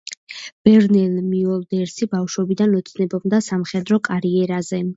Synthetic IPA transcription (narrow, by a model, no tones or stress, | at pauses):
b̥ɛɾnɛlmiɔlˠd̪ɛɾsibafʃwɛbid̪anɔt̪sʰnɛbɔbmd̪asamχɛd̪ɾɔkʼaɾiɛɾazɛ